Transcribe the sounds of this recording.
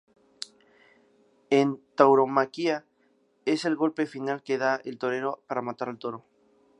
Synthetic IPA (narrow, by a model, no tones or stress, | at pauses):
ent̪awɾo̞makia | e̞se̞lɣo̞lpe̞finalke̞ð̞aelt̪o̞ɾe̞ɾo̞paɾamat̪aɾalt̪o̞ɾo̞